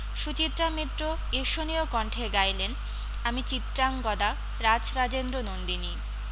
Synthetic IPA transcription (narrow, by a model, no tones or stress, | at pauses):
ʃut͡ɕit̪ɾamet̪ɾo | eʃoniokɔɳʈʰeɡajlen | amit͡ɕit̪ɾaŋɡɔd̪a | ɾad͡ʑɾad͡ʑend̪ɾonond̪ini